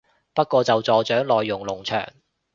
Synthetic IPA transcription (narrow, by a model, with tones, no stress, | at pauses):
pɐ˥t̚kʷɔː˧t͡sɐ˨wt͡sɔː˨t͡ʃœː˨˥ŋlɔː˨jːʊ˨˩ŋlʊ˨˩ŋt͡ʃʰœ̰ː˨˩ŋ